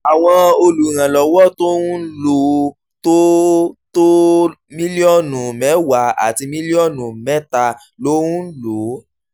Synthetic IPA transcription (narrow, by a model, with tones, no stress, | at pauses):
a˨w̃ɔ̃˧o˧lu˨ɾ̃ã˨lɔ˨˦wɔ˦to˦wũ˦n̩˦lo˦ | to˦to˦ | mĩ˦li˦ɔ˦˨nũ˨mɛ̃˨˦wa˨˦a̰˨ti˧mĩ˦li˦ɔ˦˨nũ˨mɛ˦ta˦ | lo˨˦wũ˦n̩˦lo˨˦